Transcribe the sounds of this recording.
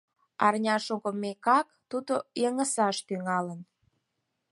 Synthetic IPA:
ɑ̰rnʲɑʃukomːekɑkt̪ud̪ojəŋəsɑʃt̪yŋɑlən

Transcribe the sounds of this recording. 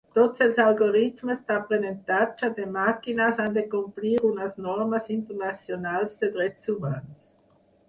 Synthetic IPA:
t̪ɔt͡sɛlsalɡoʁitməst̪apʁenɛntat͡ʃademakinasandekɔmpliːʁuŋasnɔʁmasintəʁnat͡sjonaːlsfɛdʁɛt͡suvans

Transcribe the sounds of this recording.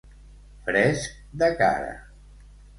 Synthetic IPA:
fɾɛsk̚d̪əka̰ɾə̰

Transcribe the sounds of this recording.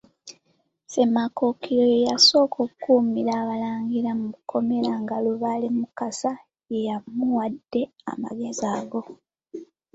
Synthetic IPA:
se̞mako̞kʰiɾo̞jejaso̞ːkʰokkuːmiɾaːβalaːŋɡiɾamuukʰo̞me̞ɾaŋɡaluβalemukasa | je̞jamuwadːe̞a̰ma̰ɡe̞zaːɡo̞

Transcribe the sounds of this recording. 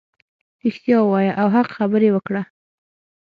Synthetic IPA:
ɾɪxt̪jɑwɑjaʔawɦaqxabəɾewəkɽa

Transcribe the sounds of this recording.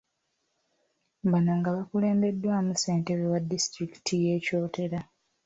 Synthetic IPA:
βanaŋɡaβakule̞ːmbe̞dːwaːmuse̞ːnte̞βewadːistɾiki̥tʰijeːco̞ːtʰe̞ɾa

